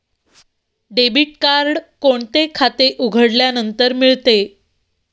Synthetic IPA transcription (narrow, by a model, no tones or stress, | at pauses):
ɖebiʈ̚kaɾɖkoɳt̪ekʰat̪eʔuɡʱəɽljanənt̪əɾmiɭt̪e